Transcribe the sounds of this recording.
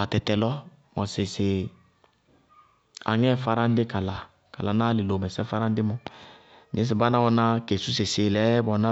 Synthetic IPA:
a˨tɛ˨tɛ˨lɔ˦ | mɔ˨sɪ˨sɪ˨ | a̰˨ŋɛ˦˨fa˦ɾã˦n˦dɪ˦ka˨la˨ | ka˨la˨˦na˦li˨lo˨mɛ˨sɛ˦fa˦ɾã˦n˦dɪ˦mɔ̃˦ | ɲĩ˦s̬i˨ba˦nã˦wɔ˦nã˦ke˨su˦s̬e˨se˨lɛ˨˦bɔ˨na˦

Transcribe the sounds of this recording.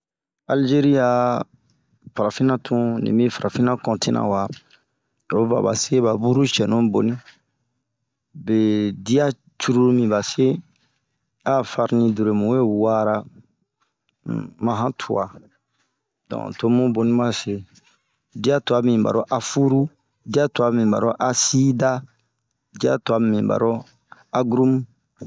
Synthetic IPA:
a˨ld͡ʒe˦ɾi˦ja˦ | fa˨ɾa˨fĩ˦nã˦tʰũ˦nḭ̃˨mĩ˦fa˨ɾa˨fi˦nã˦kɔ̃˨ti˦nã̰˨wa˨ | o˦ba̰˨ba̰˨se˦βa˨bu˦ɾu˦t͡ʃɛ˨nũ˦bo˨nĩ˦ | be˨di˦a˦ | t͡ʃu˦ɾu˦ɾmĩ˨ba˨se˦ | a˦fa˦ɾnĩ˧du˨ɾe˨mũ˨we˦wa˦ɾa˦˨ | mã˨ɦã˦tʰṵ˨a˨ | dɔ̰̃˨to˦mũ˦bo˨nĩ˦mã˦se˨ | di˦a˦tu˨a˨˦mĩ˨ba̰˨ɾo˦ʔa˨fu˦ɾu˦ | di˦a˦tu˨a˦mĩ˨ba̰˨ɾo˦ʔa˨si˦da˦ | di˦a̰˦tu˨a˨mĩ˨ba̰˨ɾo˦ | a˦ɡɾu˦m˦

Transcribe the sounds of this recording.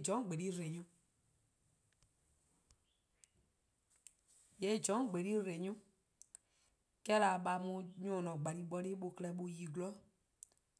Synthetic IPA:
d͡ʒɔ̃˨˦˨ɡ͡be˨ɾi˦ɾe˨ɲũ˧˦ | je˨˦˨d͡ʒɔ̃˨˦˨ɡ͡be˨ɾi˦ɾe˨ɲũ˦ | kɛ˦la˨ɓa˧mũ˧ɲõ˨nɔ̃˨ɡ͡ba˨nĩ˨ɓɔ˧˦ɾi˦ɓo˧klɛ˧ɓo˧ji˨ɡlɔ˦

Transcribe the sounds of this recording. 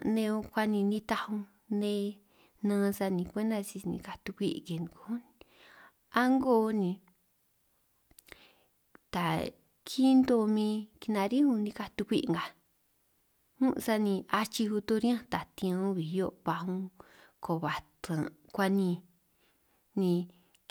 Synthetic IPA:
nẽ˧õ˧kʷa˧nĩ˧nĩ˧t̪a˧hũ˧ | nẽ˦˧ | nãː˧˦sa˧nĩ˧kʷe˦nd̪a˧si˧nḭ̃˧ka˧t̪u˧kʷi˦ʔke˨n˧ko˧u˦n˧ | a˦ŋɡo˦˧˦nĩ˧˨ | t̪a˨ | kʰi˦nd̪o˧mĩ˧ki˧nã˧ɾĩ˦hũ˧nĩ˧ka˧t̪u˧kʷi˦ʔŋɡa˨ | hũ˦ʔsa˧nĩ˧a˧t͡ʃi˧hu˧t̪o˧ɾj̃ã˦t̪a˨t̪ĩ˧õ˧˦βi˨jo˦βa˧hũ˧ | ko˨βa˨t̪ã˨ | kʷa˧nĩ˧ | nĩ˧

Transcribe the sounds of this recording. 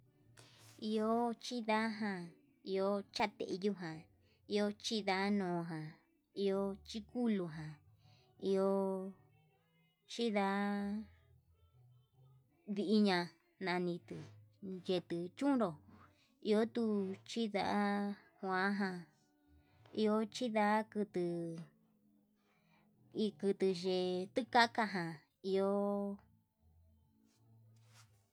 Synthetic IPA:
i˧o˦t͡ʃi˦ða˦ɦã˧ | i˧o˧t͡ʃa˦t̪ḛ˧ʔju˦ɦã˨ | i˧o˧˦t͡ʃi˦ða˧˦nõː˨˧ɦã˨ | i˧o˧˦t͡ʃi˦ku˦lu˧ɦã˨ | i˧o˧˦ | t͡ʃi˦ða˧˦ | βi˧ʔi˧˦ɲã˧ | nã˧nĩ˧t̪ɨ˨je˧t̪ɨ˧t͡ʃũ˦ɾo˨ | i˧o˦t̪u˧t͡ʃi˦ða̰˧ʔa˦ | hʷã˧˦ɦã˧ | i˧o˧˦t͡ʃi˦ða˧˦kɨ˧t̪ɨ˧ | i˧kɨ˧t̪ɨ˧ʒe˧t̪ɨ˦ka˦ka˧ɦã˨ | i˧o˦

